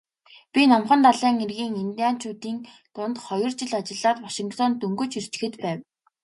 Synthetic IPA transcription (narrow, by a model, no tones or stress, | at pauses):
pʲinɔmχə̆nt̪aɮiːŋerɣiːŋent̪iaːn̥t͡ɕʰuːt̪iːn | t̪ʊnt̪χɔjɞ̆rt͡ɕɪɮat͡ɕɪ̆ɮaːt̪waʃĭŋkt̪ʰɔnt̪ɵŋɡɵ̆t͡ɕir̥t͡ɕ̆xɘ̆t̪pæːw